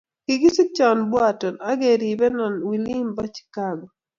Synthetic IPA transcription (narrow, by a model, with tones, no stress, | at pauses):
kɪɡi˦si˦t͡ʃa˨nbwatɔ˨na˦ɡe˨ɾi˨bɛ˦nɔ˨nwi˨li˦mba˦t͡ʃkaɡɔ˨